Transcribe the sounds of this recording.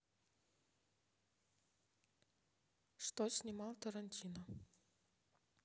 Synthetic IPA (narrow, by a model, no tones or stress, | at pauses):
ʂt̪osʲnʲɪmɑlˠt̪əɾɐnʲtʲʰinə